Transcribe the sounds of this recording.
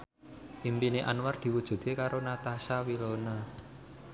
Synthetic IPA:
ʔimpineʔa̰nward̪̥i̤wud̥ʒ̥ṳt̪ekaɾonat̪asawilona

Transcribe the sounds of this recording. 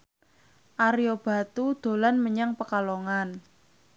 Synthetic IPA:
ʔaɾiob̥a̤t̪ud̪̥o̤lanməɲaŋpəkaloŋan

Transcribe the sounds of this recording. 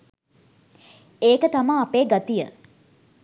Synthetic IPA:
eːkət̪amaːpeːɡat̪ijə

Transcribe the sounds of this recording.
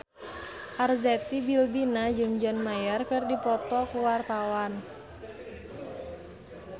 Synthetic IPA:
ʔarzɛt̪ibilbinad͡ʒɨŋd͡ʒanmajərkɨrdipɔt̪ɔkuwart̪awan

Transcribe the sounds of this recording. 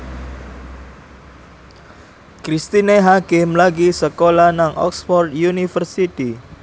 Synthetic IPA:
kɾist̪ineɦakɪmlaɡisəkolanaŋʔɔ̰ksfɔrd̪junifərsit̪i

